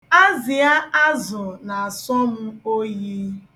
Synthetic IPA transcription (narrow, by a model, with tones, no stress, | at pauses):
a˦zɪ˨a˦a˦zʊ˨na˨a˨sɔ˦m̩˦o˦je˦